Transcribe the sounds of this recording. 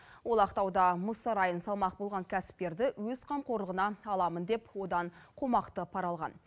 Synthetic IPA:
wo̞lˠɑqt̪ɑwd̪ɑmʊsɑɾɑjənsɑlˠmɑq̚bo̞lˠʁɑŋkʲʰæsɪ̥p̚k̪e̞ɾd̪ɪwɵzqʰɑmqo̞ɾləʁənɑɑlˠɑmənd̪e̞pwo̞d̪ɑɴqʰomɑqt̪əpʰɑɾɑlˠʁɑ̰n

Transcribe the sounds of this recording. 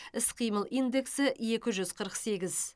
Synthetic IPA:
ɪsqʰijməlˠʔijnd̪e̞ksɪje̞kʲɪʒʏzqʰəɾəqse̞ɡʲɪz

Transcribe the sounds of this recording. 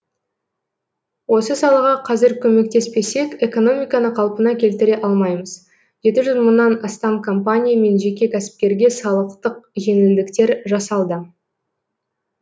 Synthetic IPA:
wo̞səsɑlˠəʁɑqʰɑzɪɾkʲʰɵme̞k̚t̪e̞spe̞se̞kʲe̞ko̞no̞mʲijkɑnəqʰɑlˠpənɑkʲʰe̞lt̪ɪɾe̞ʔɑlˠmɑjməz | ʒ̥e̞t̪ɪʒʏzmənːɑnɑst̪ɑmkʰo̞mpanʲijame̞nʒe̞kʲe̞kʲʰæsɪ̥p̚kʲe̞ɾɡʲe̞sɑlˠəqt̪əq̚ʒe̞ŋɪnd̪ɪkt̪e̞ɾʒɑsɑlˠd̪ə

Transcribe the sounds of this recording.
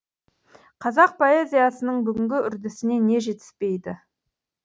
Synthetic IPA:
qʰɑzɑq̚pʰo̞e̞zʲijasənəɴbʏɡʲɪŋɡʲɪʔʏɾd̪ɪsɪne̞ne̞ʒe̞t̪ɪ̥spe̞jd̪ɪ

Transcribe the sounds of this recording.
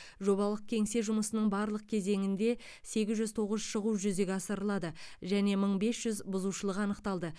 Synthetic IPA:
ʒo̞βɑlˠəq̚kʲʰe̞ŋse̞ʒʊməsənəɴbɑɾlˠəq̚kʲʰe̞ze̞ŋɪnd̪e̞ | se̞ɡʲɪzʒʏzt̪ʰo̞ʁəzʃəʁuʒʏze̞ɡʲeɑsəɾəlˠɑd̪əʒæne̞məɴbe̞sʒ̥ʏzbʊzuʃəlˠəqɑnəqt̪ɑlˠd̪ə

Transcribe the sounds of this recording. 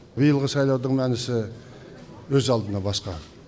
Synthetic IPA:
bijəlˠʁəsɑjlˠɑwd̪əɴmænɪsɪ | wɵzɑlˠd̪ənɑbɑsqɑ

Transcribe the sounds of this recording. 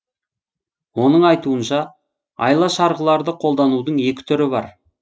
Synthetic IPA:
wo̞nəɴɑjt̪uənʃɑ | ɑ̰jlˠɑʃɑɾʁəlˠɑɾd̪əqʰo̞lˠd̪ɑnud̪əɴe̞kʲɪ̥t̪ʰʏɾɪbɑɾ

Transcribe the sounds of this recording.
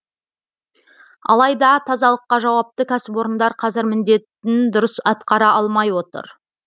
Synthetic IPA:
ɑ̰lˠɑjd̪ɑt̪ʰɑzɑlˠəqːɑʒɑwɑp̚t̪əkʲʰæsɪpwo̞ɾənd̪ɑɾqʰɑzɪɾmɪnd̪e̞t̪ːɪnd̪ʊɾəsɑt̪qɑɾɑʔɑlˠmɑjwo̞t̪ə̰ɾ

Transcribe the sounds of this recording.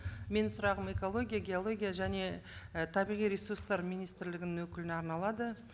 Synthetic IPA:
me̞nsʊɾɑʁəme̞ko̞lˠo̞ɡʲijaɡʲeolˠo̞ɡʲijaʒæne̞t̪ʰɑbijʁijɾʲesurst̪ɑɾmijnijst̪ɾlɪɡʲɪnɪnwɵkʲɪlɪnɑɾnɑlˠɑd̪ə

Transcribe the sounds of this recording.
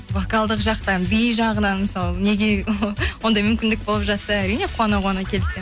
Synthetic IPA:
vokɑlˠd̪əqʒɑqt̪ɑnbijʒɑʁənɑnməsɑlˠne̞ɡʲe̞wwo̞nd̪ɑjmʏmkʲɪnd̪ɪk̚bo̞lˠəpʒɑt̪ːəæɾijne̞qʰʊɑnɑʁonɑkʲʰe̞lɪse

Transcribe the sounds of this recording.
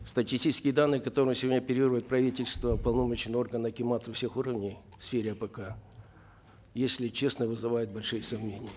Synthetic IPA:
st̪ətʲisʲtʲit͡ɕɪskʲɪjəd̪anːɨjəkɐt̪o̞ɾəjʊsʲɪvodʲnʲəpʲɪɾʲɪirʊjɪt̪̚pɾɐvʲitʲɪlʲst̪vəpɐlˠnomət͡ɕɪnɨo̞rɡənɐkʲɪmat̪ɐfsʲexuɾəvnʲɪjfsfʲeɾʲɪɐpəka | jesʲlʲɪt͡ɕe̞snəvɨzɨvajɪt̪̚bɐlʲʂɨjəsɐmnʲenʲɪjə

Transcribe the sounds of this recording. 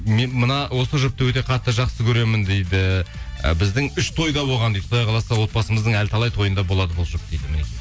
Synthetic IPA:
menmənɑwo̞səʒʊp̚t̪əwɵt̪e̞qʰɑt̪ːəʒɑqsəkʲʰɵɾe̞mɪnd̪ejd̪ɪə̰bɪzd̪ɪŋʏʃt̪ʰo̞jd̪ɑbo̞lʁɑnd̪ej̪t̪soɑjqʰɑlˠɑsɑwo̞t̪̚bɑsəməzd̪əɴælt̪ʰɑlˠɑjt̪ʰo̞jənd̪ɑbo̞lˠɑd̪əbolˠʒʊp̚d̪̥ejd̪ɪmɪne

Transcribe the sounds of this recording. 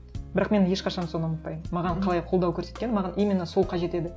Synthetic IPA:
bɪɾɑqme̞nje̞ʃqɑʃɑnso̞nɑmət̪̚pɑjəmmɑʁɑnqʰɑlˠɑjqʰolˠd̪ɑwkʲʰɵɾse̞t̪̚kʲe̞nmɑʁɑnʔijmʲinɑso̞lˠqʰɑʒe̞t̪e̞d̪ɪ

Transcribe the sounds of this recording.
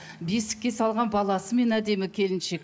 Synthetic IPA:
be̞sɪ̥kʲːe̞sɑlˠʁɑnbɑlˠɑsəme̞næd̪e̞mɪkʲʰe̞lɪnʃe̞k

